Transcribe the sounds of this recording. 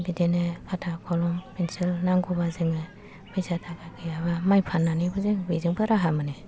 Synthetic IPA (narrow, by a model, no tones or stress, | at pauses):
bidenɯkʰatʰakʰɔlɔmpinsilnaŋɡɔbazɯŋɯ | bizatʰakakʰɯjaβamajpʰanːanibɯzɯŋbezɯŋbɯɾaɦamɯne